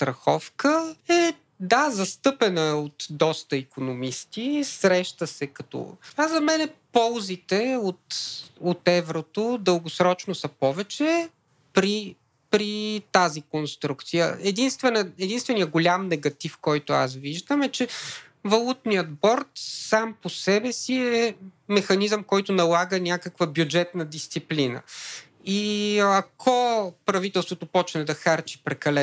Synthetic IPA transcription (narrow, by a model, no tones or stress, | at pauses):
st̪ɾɐxɔfkəɛ | d̪azɐst̪ɤpɛnəot̪d̪ɔst̪əikonomist̪isɾɛʃt̪əsɛkɐt̪ɔ̰azɐmɛnɛpɔlˠzit̪ɛot̪ot̪ɛvɾot̪od̪əlˠɡʊsɾɔt͡ʃnosəpɔvɛt͡ʃɛ | pɾi | pɾit̪azikonst̪ɾukt̪sijə̰ɛd̪inst̪vɛnəɛd̪inst̪vɛnijəɡʊlʲamnɛɡɐt̪ifkɔjt̪ʊa̰sviʒd̪əmɛt͡ʃɛ | vɐlˠut̪nijət̪bɔɾt̪samposɛbɛsiɛmɛxɐnizəmkɔjt̪ʊnɐlˠaɡənʲakəkvəbjud͡ʒɛt̪nəd̪ist̪siplinə̰ | iɐkʰɔpɾɐvit̪ɛlˠst̪vot̪opɔt͡ʃnɛd̪ɐxaɾt͡ʃi̥pɾɛkɐlɛ